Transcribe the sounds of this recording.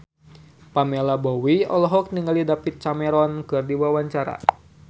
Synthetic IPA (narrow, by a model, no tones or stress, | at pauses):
pamelabɔwiɔ̰lɔɦɔk̚niŋalidapit̪̚t͡ʃamɛɾɔnkɨrdiwawaɲt͡ʃaɾa̰